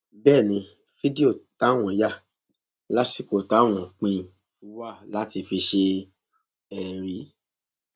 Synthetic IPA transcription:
bɛː˦˨nĩ˧ | fi˦di˦o˦˨ta˨˦w̃ɔ̃˨˦ja˦˨ | la˦si˦˨k͡po˨ta˨˦w̃ɔ̃˨k͡pĩ˧˨ | fu˨˦wa˦˨la˦ti˧fi˧ʃe˧ | ɛ˧˨ɾi˨˦

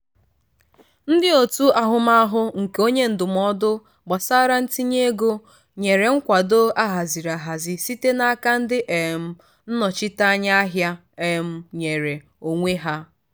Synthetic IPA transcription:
n̩˦dɪ˦o˨tu˦a˨ɦʊ˨ma˦a˦ɦʊ˦ŋ̩˨ke˨o˦ɲe˦n̩˨dʊ˨m˨ɔ˦dʊ˦ | ɡ͡ba˨sa˦ɾa˦n̩˦ti˦ɲe˦ɡo˦ | ɲe˨ɾe˨ŋ̩˦kʷa˨do˦a˦ɦa˨zi˨ɾa˨ɦa˨zɪ˨si˦te˦na˦a˦ka˦n̩˦dɪ˦ʔe˨m̩˦ | n̩˦nɔ˨t͡ʃɪ˦ta˦ɲa˦a˦ɦja˦ | e˨m̩˨ɲe˨ɾe˨ | o˨ŋʷe˦ɦa˦

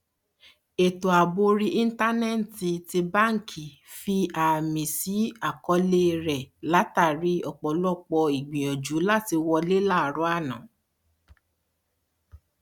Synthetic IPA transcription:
e˨to˨a˨bo˧ɾi˦ʔi˦n̩˦ta˦nɛ˦n˨ti˧ti˧ba˦˨ŋ̩˦˨kʰi˨ | fi˧a˨mĩ˨si˨˦a˦˨kɔ˧˦le˦˧ɾɛ˨la˨˦ta˦˨ɾi˨˦ɔ˨k͡pɔ˨lɔ˦k͡pɔ˧i˨ɡ͡bĩ˨ɔ˨d͡ʒu˨˦la˦˨ti˧wɔ˧le˦la˦˨ɾɔ˨˦a˦˨nã˨˦

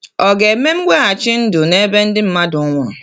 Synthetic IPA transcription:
ɔ˨ɡe˨e˨me˦m̩˦ɡ͡bʷe˦ɣa˨t͡ʃɪ˦n̩˦dʊ˨ne˦be˦n̩˦dɪ˦m̩˦ma˦dʊ˨˦ŋʷʊ˦ɾʊ˨

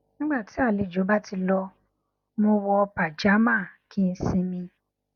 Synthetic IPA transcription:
nĩ˦ɡ͡ba˦˨ti˨˦a˦˨le˨d͡ʒo˨˦ba˦ti˧lɔ˧ | mo˧wɔ˧pa˨d͡ʒa˨˦mã˦˨kʰi˦n̩˦sĩ˧mĩ˧

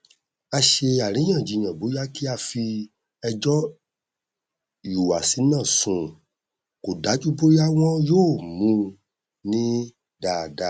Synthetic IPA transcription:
a˧ʃe˧a˨ɾ̃ĩ˨˦j̃ã˦˨d͡ʒi˧˨j̃ã˨bo˨˦ja˦ki˦a˧fi˧ | ɛ˧d͡ʒɔ˦ | ju˨wa˨si˨˦nã˦˨sũ˧˨ | ko˨da˨˦d͡ʒu˦po˦ɾi˦a˦w̃ɔ̃˦joː˦˨mũ˧˦ | nĩ˦ | da˨da˨˦

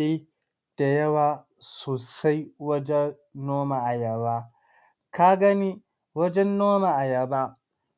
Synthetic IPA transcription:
i˦ | d̥a˨jɐ˦waː˨ | soː˨sa˦jwɐ˦d͡ʒɛ˦ | noː˦ma˨ʔa˨jɐ˨baː˦ | ka˦ɡɐ˦ni˦ | wɐ˦d͡ʒɛ˦nːoː˦ma˨ʔa˨jɐ˦˨ba˦

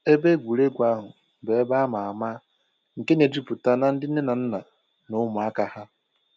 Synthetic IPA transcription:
e˦be˦ɡʷu˨ɾe˦ɡʷa˦ɦʊ˨ | be˨e˦ba˦ma˨a˨ma˦ | ŋ̩˨ke˦ne˨d͡ʒi˦pʊ˨ta˦na˦n̩˦dɪ˦n̩˦e˦na˨n̩˦na˨ | nʊ˦mʊ˨a˦ka˨ha˦

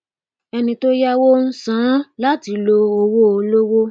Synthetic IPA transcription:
ɛ˧nĩ˧to˦ja˦wo˦n̩˦sã˨˦la˦ti˨˦lo˧o˧wo˦˧lo˦wo˦

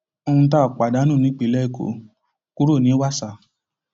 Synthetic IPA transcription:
o˧ũ˧t̬a˦˨k͡pa˨da˨˦nũ˦˨nĩ˨˦k͡pi˨˦lɛ˦˨ko̰˨˦ | ku˦ɾo˦˨nĩ˨˦wa˦˨sa˨

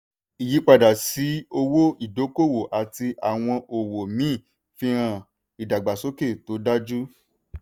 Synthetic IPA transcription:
i˨ji˨˦k͡pa˧˨da˨si˨˦o˧wo˦i˦˨do˨˦ko˦˨wo˨ʔa˨ti˧ʔa˨w̃ɔ̃˧ʔo˨wo˨mĩː˦˨ | fĩ˧˦ɾ̃ã˧˨ | i˨da˨ɡ͡ba˨so˦ke˦˨to˨˦da˦d͡ʒu˦

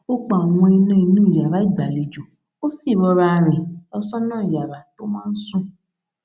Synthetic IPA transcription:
o˦k͡pɔ˨w̃ɔ̃˧i˧nã˧˦i˧nũ˦˨ja˨ɾa˨˦i˦˨ɡ͡ba˨le˨d͡ʒo˨ | o˦si˦˨ɾɔ˧ɾa˧˨ɾ̃ɛ̃˨ɔ˧sɔ˦nãː˦˨ja˨ɾa˨to˦mãː˦n̩˦sũ˦

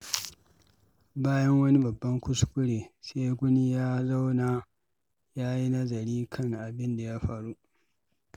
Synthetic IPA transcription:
baː˦jɐ˦ŋwɐ˦ni˦bɐ˨bːɐ˦ŋkʷʊ˦skʷʼʊ˦ɽeː˨seː˦ɡʷʊ˦ni˦jaː˦za˦wna˨ | jaː˦ji˦nɐ˦zɐ˨ɾiː˦kʰɐ˦˨ŋʔa˨bɪ˦nda˨ja˦ɸaː˨ɾu˦ʔ

